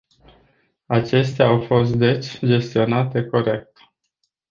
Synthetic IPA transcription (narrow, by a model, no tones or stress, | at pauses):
at͡ʃe̞st̪eaːwfo̞s̬t̪̚d̪e̞t͡ʃʲd͡ʒe̞st̪io̞nat̪e̞ko̞ɾe̞k̚t̪